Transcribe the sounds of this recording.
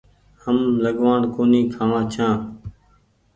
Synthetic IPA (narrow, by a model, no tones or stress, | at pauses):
həmləɡʋaːɳkoːniːkʰãːʋãːt͡ʃʰãː